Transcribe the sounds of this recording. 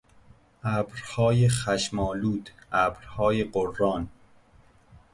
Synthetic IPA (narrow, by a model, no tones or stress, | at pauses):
ʔæːbɾhɒːjeχæʃmɒːluːd̪æbɾhɒːjeɢorːɒːn